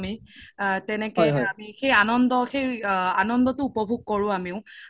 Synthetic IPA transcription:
mitɛnɛkɔjamixejanɔndɔxejanɔndɔtʊupɔbʱuɡ̚kɔɹʊ̃amiʊ̃

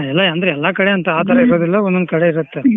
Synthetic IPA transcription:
ɛlːɐɐnd̪ɾeɛlːakɐɽeɐnt̪ɐaːt̪ɐɾɐiɾo̞ːd̪ilːɐɔnːond̪kɐɽeiɾut̪ːe

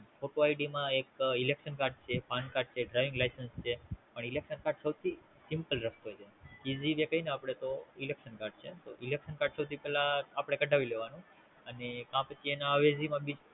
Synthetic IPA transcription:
fʰoʈoaiɖimãekilekʃənkaɾɖ̚t͡ʃʰefankaɾɖ̚t͡ʃʰeɖɾajʋĩŋɡlajsənst͡ʃʰepəɳilekʃənkaɾɖsəwt̪ʰi | sɪmpəlɾək̚ʰt̪oɦojt͡ʃʰekiziʋekəinəapəɽ̃et̪oilekʃənkaɾɖ̚t͡ʃʰet̪o̰ʔilekʃənkaɾɖsəwt̪ʰipɛlaːpəɽ̃ekəɖʱaʋileʋanũ | ənekãpət͡ʃʰienaəʋezimãbid͡ʒ

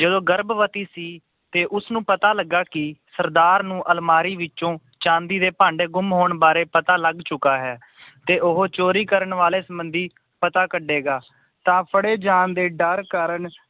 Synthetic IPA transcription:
d͡ʒəd̪õːɡəɾbʋət̪iːsiː | t̪eːʔʊsnũːpət̪aːləɡːaːkɪsəɾd̪aːɾnũːʔəlmaːɾiːʋɪt͡ʃõː | t͡ʃãːnd̪iːd̪eːpãːɳɖeːɡʊmɦoːɳbaːɾeːpət̪aːləɡt͡ʃʊkaːɦɛː | t̪eːʔʊɦoːt͡ʃoːɾiːkəɾəɳʋaːleːsəmbənd̪iː | pət̪aːkəɖːeːɡaː | t̪ãːpʰəɽeːd͡ʒaːnd̪eːɖəɾkəɾəɳ

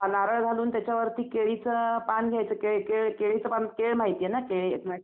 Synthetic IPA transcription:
anaɾəɭd͡zʱaluːnt̪jat͡ɕjaʋəɾt̪iːkeɭit͡səpanɡʱjajt͡səːkeɭkeɭkeɭit͡səpankeɭm̤aɦit̪ijenakeɭḛtna

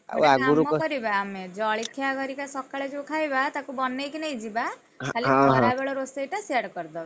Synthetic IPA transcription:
aɡauɾukɔɾibaːmed͡ʒɔːɭikʰjaɡɔɾikasɔkːaɭed͡ʒokʰajbat̪akubɔnːekineid͡ʒiba | kʰaliãɦãbeɭɔɾost̪ejʈasaɽkɔɾd̪ɔ

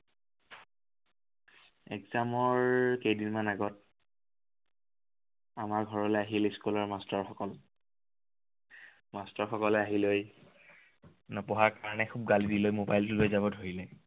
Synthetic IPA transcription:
ɛ̰ɡzamɔɹkejdinmanaɡɔt̚ | amaɹɡʱɔɹɔlɛaɦilskulɔɹmastɔɹxɔkɔl | mastɔɹxɔkɔlɛaɦiloj | nɔpɔɦaɹkaɹɔnɛkʰub̚ɡalidilojmobajltulɛzabɔdʱoɹilɛ

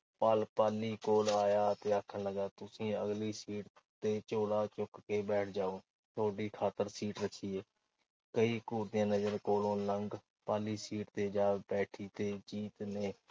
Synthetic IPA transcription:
paːlpaːliːkoːlaːjaːt̪eːəkʰːənləɡaːt̪ʊsĩːəɡliːsiːʈ | t̪eːt͡ʃoːlaːt͡ʃʊkkeːbɛːʈʰd͡ʒaːoː | t̪ʰoːɖiːkʰaːt̪əɾsiːʈɾəkʰːiːeː | kəiːkuːɾd̪ɪjãːnəd͡ʒəɾkoːlõːləŋɡ | paːliːsiːʈt̪eːd͡ʒaːbɛːʈʰiːt̪eːd͡ʒiːt̪nẽː

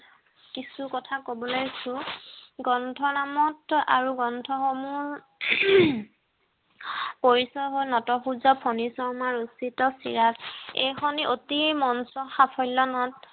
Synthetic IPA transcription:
kisukɔtʰakobɔlojsuɡɔntʰɔnamɔta̰ɹuɡɔntʰɔxɔmuɹ | poɹisɔɦojnɔtɔxuzɔpʰɔnisɔɹmaɹusitɔsḭɹatejxɔniʔotimɔnsɔxapʰɔjlɔnɔt

